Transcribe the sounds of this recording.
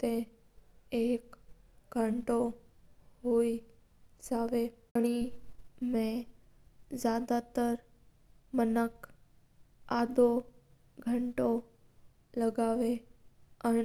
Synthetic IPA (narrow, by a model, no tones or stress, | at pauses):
t̪ẽ | eːkɡʱəɳʈo | ɦoi | d͡ʒaʋe | əɽ̃i | mẽ | zjad̪at̪əɾ | mənək | ad̪o | ɡʱəɳʈo | ləɡaʋe | ə